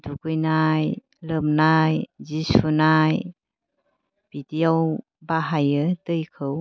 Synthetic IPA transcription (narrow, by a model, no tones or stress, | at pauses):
duɡɯjnaj | ləmnajzisunaj | b̥itijaw | baɦajɯtɯjkʰɯw